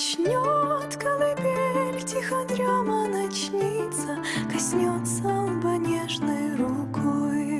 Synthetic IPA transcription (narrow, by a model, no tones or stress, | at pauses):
t͡ɕnʲot̪kɐlɨpʲelʲtʲixɐd̪ɾʲamənɐt͡ɕnʲit̪sə | kɐsʲnʲot̪səbɐnʲeʐnɨjɾukoj